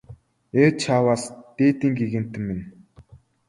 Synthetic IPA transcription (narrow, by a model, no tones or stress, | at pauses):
et͡ɕʰaːwaːst̪eːt̪iːŋɡiɣɘ̆n̥t̪ɘ̆mmen